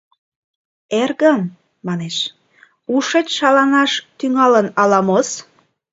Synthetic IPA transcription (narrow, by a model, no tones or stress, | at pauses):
erɣən | mɑneʃ | uʃet͡ɕʃɑlɑnɑʃt̪yŋɑlənɑlɑmos